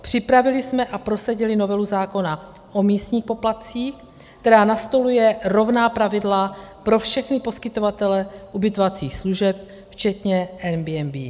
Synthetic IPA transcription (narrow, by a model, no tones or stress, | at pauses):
pr̝̥ɪpɾavɪlɪsmɛʔapɾo̞saɟɪlɪno̞vɛluzaːko̞na | ʔo̞miːst̪ɲiːxpo̞plat̪t͡siːxk | kt̪ɛɾaːnast̪o̞lujɛɾo̞vnaːpɾavɪdlapɾo̞fʃɛxnɪpo̞skɪt̪o̞vat̪ɛlɛʔubɪt̪ovat͡siːxsluʒɛp̚ | ft͡ʃɛt̪ɲɛʔɛmbiɛmbḭː